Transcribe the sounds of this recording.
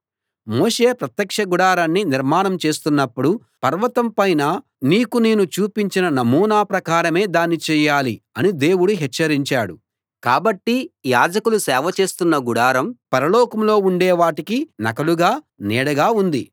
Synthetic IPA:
moːʃe̞ːpɾɐt̪jɐkʂɐɡuɽaːɾaːnːiniɾmaːɳɐmt͡ʃe̞ːst̪unːɐpːuɽu | pɐɾʋɐt̪ɐmpɐjna | niːkuneːnut͡ʃuːpiɲt͡ʃinɐnɐmuːnaːpɾɐkaːɾɐme̞ːd̪aːnːit͡ʃɛːjaːliɐnid̪e̞ːwuɽuɦɛt͡ʃːɐɾiɲt͡ʃaːɽu | kaːbɐʈːijaːd͡ʒɐkulusɛːʋɐt͡ʃe̞ːst̪unːɐɡuɽaːɾɐmpɐɾɐlɔːkɐmlo̞ːuɳɖɛːʋaːʈikinɐ̰kɐluɡaː | nɛːɽɐɡaːund̪ḭ

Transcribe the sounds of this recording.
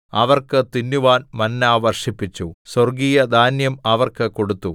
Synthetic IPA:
ɐʋɐrkɨt̪inːuʋaːnmɐnːaːʋɐrʂipːit͡ɕːusorɡiːjɐd̪ʱaːnjɐmɐʋɐrkɨko̞ɽut̪ːu

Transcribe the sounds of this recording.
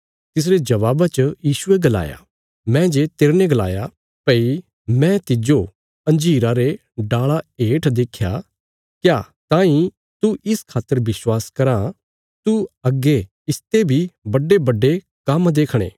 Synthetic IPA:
t̪ɪs̬ɾed͡ʒɐʋaːbat͡ʃəjiːʃʊeɡɐla̰ːja̰ | mɛ̃d͡ʒet̪eːɾneɡɐla̰ːja | pɐi | mɛ̃t̪ɪd͡ʒo | ɐ̃nd͡ʒiːɾaɾe | ɖaːɭaeːʈʰd̪eːkʰja̰ | kjaː | t̪ãːĩ | t̪uʔɪskʰaːt̪ːəɾʋɪswaːskɐɾã | t̪uɐɡːe | ɪst̪ebʱibɐɖebɐɖːe | kɐmd̪eːkʰɽ̃ḛː

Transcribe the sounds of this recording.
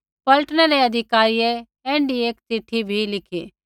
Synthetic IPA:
pɐlʈɽ̃ɛɾeɐd̪ʱɪkaːɾije | ɛ̃ːɳɖieːksiʈʰːibʱilɪkʰeː

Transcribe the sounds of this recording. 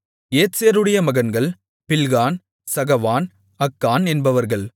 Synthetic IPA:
eːseːɾɯɽɐjɐmɐɣɐnɡɐɭ | pɪlɣaːn | sɐɣɐʋaːn | ɐkːaːnɛnbɐʋɐɾɣɐɭ

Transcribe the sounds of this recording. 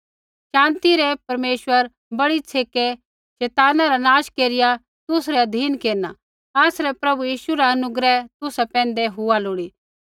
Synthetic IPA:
ʃãːnt̪iɾɛpɐɾmeːʃwəɾ | bɐɽit͡sʰeːke | ʃɛːt̪aːnaɾanaːʃkeːɾɪja | t̪ʊsɾɛɐd̪ʱiːnkeːɾna | aːsɾɛpɾɐbujiːʃuɾaɐnʊɡɾɛt̪ʊsapɛ̃ːn̆d̪eɦʊaloːɽiː

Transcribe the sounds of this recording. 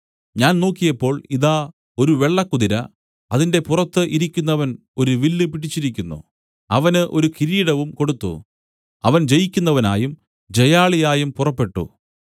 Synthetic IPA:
ɲaːnno̞ːkːijɐpːo̞ːɭiðaː | o̞ɾuʋe̞ɭːɐkːuðiɾɐ | ɐðinde̞purɐt̪ːɨʔiɾikʲːunːɐʋɐn | o̞ɾuʋilːɨpiʈit͡ɕːiɾikʲːunːṵ | ɐʋɐnɨʔo̞ɾukiɾiːɽɐʋumko̞ɽut̪ːṵ | ɐʋɐnd͡ʑejikʲːunːɐʋɐna̰ːjum | d͡ʑejaːɭijaːjumpurɐpːe̞ʈːṵ

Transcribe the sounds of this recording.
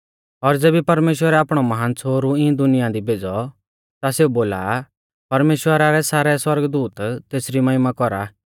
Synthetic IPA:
ɔɾd͡zeːbipɐɾmeːʃwəɾɛaːpɽ̃ɔmɐɦaːnt͡sʰoːɾuɪ̃d̪ʊnɪjãd̪ibʱeːd͡zɔ | t̪aseuboːla̰ | pɐɾmeːʃwəɾaɾɛsaːɾɛswɐɾɡd̪uːt̪t̪eːsɾimɐɦɪmakɔɾa̰

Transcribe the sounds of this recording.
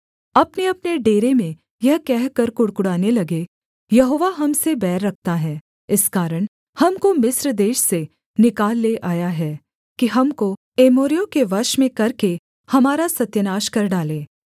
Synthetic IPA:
ɐpneɐpneɖeːɾemẽ | jɐɦkɛɦkɐɾkʊɽkʊɽaːnelɐɡe | jɐɦoːʋaɦɐmsebɛːɾːɐk̚ʰt̪aɦɛː | ɪskaːɾəɽ̃ | hɐmkomɪsɾd̪eːʃse | nɪkaːlːeʔaːjaɦɛː | kiɦɐmko | eːmoːɾijõkeʋɐɾʃmẽkɐɾke | hɐmaːɾasɐt̪jənaːʃkɐɾɖaːlẽː

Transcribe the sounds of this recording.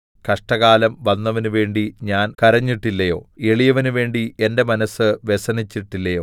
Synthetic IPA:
kɐʂʈɐɣaːlɐmʋɐnːɐʋɐnuʋe̞ːɳɖiɲaːnkɐɾɐɲːiʈːilːɐjo̞̰ːeɭijɐʋɐnuʋe̞ːɳɖie̞nde̞mɐnɐsːɨʋe̞sɐnit͡ɕːiʈːilːɐjo̞ː

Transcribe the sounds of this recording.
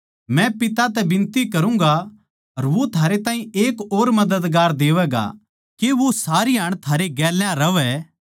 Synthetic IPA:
mɛ̃pɪt̪at̪̬ɛbɪ̃nt̪ikɐɾũːŋɡa | ɐɾʋot̪ʰaːɾet̪aːɦĩeːkoːɾmɐd̪əd̪ɡaːɾd̪eːʋɛːɡa̰ | keʋosaːɾiɦɐɽ̃t̪ʰaːɾeɡɛːljãɾɐʋɛ

